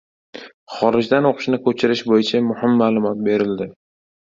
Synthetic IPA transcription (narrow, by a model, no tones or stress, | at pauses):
χɒɾɪd͡ʒd̪anoqʰʃnɪkʰɵt͡ʃʰɪɾɪʃbojɪt͡ʃʰamʊhɪmːaːlˠʊmɒt̪̚be̞ɾɪld̪ɪ